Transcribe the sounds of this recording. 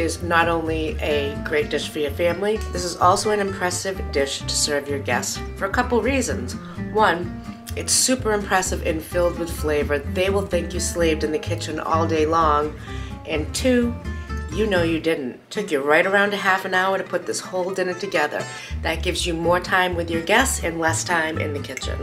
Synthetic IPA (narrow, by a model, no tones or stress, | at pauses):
ɪznəɾõʊ̃nliʔɨɡɹeɪt̚d̥ɪʃfə˞jə˞fæ̃mliðɪsəzɔlˠsoʊɨ̃nɨ̃mpʰɹ̥ɛsɨvdɪʃtʰɨ̥sɜ˞vjə˞ɡɛstfə˞əkʰʌpl̩ˠɹizɨ̰̃nz̥ | wʌ̃n | ɨtsʉpə˞ɨ̃mpʰɹ̥ɛsɨvɨ̃nfɪlˠd̚wɨð̥fleɪvə˞ðeɪwəlˠθɪ̃ŋkjɨsleɪvdɨ̃nðɨkʰɪt͡ʃɨ̃nɔ̰lˠdeɪlɔ̃ŋ | ʔɨ̃ntʰʉ | jɨnoʊjɨdɪdⁿn̩tʰʊkjɨɹaɪɾə˞ãʊ̃ndɨɦæfɨ̃naʊə˞ɾɨpʰʊt̪̚ðɪshoʊlˠdɪ̃nɨtʰɨɡɛðə̰˞ | ðɨt̚ɡ̥ɪvzjɨmɔɹtʰãɪ̃mwɨðjə˞ɡɛsɨ̃nlɛstʰãɪ̃mʔɨ̰̃nðɨkʰɪt͡ʃɨ̰̃n